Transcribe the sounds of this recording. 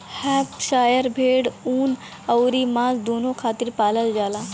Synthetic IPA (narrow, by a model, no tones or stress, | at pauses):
hɛːpʃaːjəɾbʱeːɽuːn | ɐwɾimãːzd̪oːnõkʰaːt̪ɪɾpaːləld͡ʒaːlaː